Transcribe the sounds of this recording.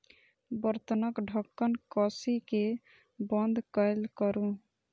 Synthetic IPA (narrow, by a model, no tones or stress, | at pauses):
bʌɾt̪ənʌkɖʱɔkːənkɔsike | bʌnd̪ʱkəjlkɔɾũ